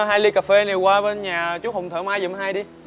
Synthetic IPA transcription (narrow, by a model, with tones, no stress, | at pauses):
ɦaː˧jli˧kaː˨˩fe˧ne˨˩kwaː˧ɓe˧nɲaː˨˩t͡ɕu˦˥ho˨˩wŋ͡mt̪ʰəː˧˦maː˧jzə˨˩m˨˦ɦaː˧jɗi˧